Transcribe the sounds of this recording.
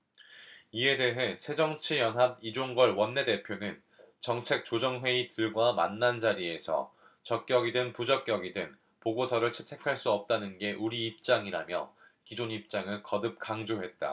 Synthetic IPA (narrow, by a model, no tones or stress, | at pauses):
ie̞de̞ɦe̞sʰe̞d͡ʑʌŋt͡ɕʰijʌnɦab̚id͡ʑoŋɡʌɭwʌnːe̞de̞pʰjonɯn | t͡ɕʌŋt͡ɕʰe̞k̚t͡ɕ͈od͡ʑʌŋɦwe̞itɯɭɡwama̰nːand͡ʑaɾie̞sʰʌ̰ | t͡ɕʌk̚k͈jʌɡidɯnpud͡ʑʌk͈̚jʌɡidɯn | poɡosʰʌɾɯɭt͡ɕʰe̞tʰe̞kʰaɭs͈uʌp̚t͈anɯnɡe̞ʔuɾiːp̚t͡ɕ͈aŋiɾamjʌ̰ | kid͡ʑoɲip̚t͡ɕ͈aŋɯɭkʌdɯp̚k͈aŋd͡ʑoɦe̞t̚t͈a̰